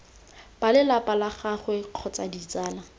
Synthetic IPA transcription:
palɪlapʼalaχaχwɪq͡χʰɔt͡sadit͡saːla

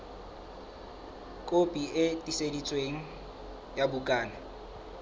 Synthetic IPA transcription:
kʼopʼiʔɪtʼisedit͡sʼweŋ̩ | jabukʼaːna

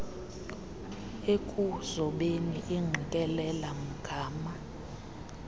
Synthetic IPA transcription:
ekʼuz̥ɔɓeniʔeŋ͡ǃʱikʼɛlɛlam̩ɡ̥ʱaːma

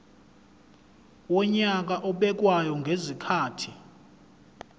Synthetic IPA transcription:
wɔɲak̬aʔɔɓɛk̬wajɔŋɡʱezikʰaːtʰi

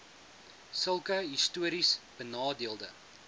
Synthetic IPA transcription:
səlˠkəɦistuəɾisb̥ənɑːdiəlˠdə

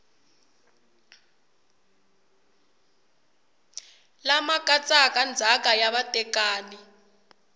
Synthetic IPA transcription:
lamakʼat͡sʼak̬ʼand͡zʱakʼajaβatʼɛkaːni

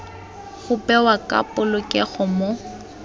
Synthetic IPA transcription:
ɣʊpɛwakʼa̰pʼʊlʊkʼɛɣʊmo

